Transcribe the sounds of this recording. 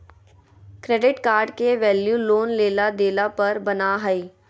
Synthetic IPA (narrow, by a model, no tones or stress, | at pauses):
kɾeːɖɪʈkaːɾɖkeʋɛːljuloːnleːlad̪eːlapɐɾbɐnaɦəiː